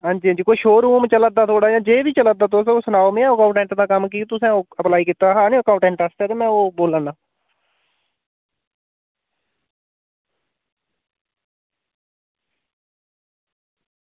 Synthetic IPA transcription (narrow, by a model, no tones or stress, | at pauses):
ɦãːɲd͡ʒiːãd͡ʒiːkoːiːʃoːɾuːmt͡ʃələd̪aːt̪ʰoːɽaːd͡ʒãːd͡ʒeːʋiːt͡ʃəlad̪aːt̪osoːsənaːomẽːɛ̃ːoːkaʊɳʈɛ̃ːɳʈd̪aːkəmkiːt̪ʊsɛ̃ːoːəplaːiːkɪt̪aːɦãːnĩːkaːʊ̃ɳʈɛ̃ːɳʈast̪ɛːt̪eːmɛ̃ːoːboːlaːnaː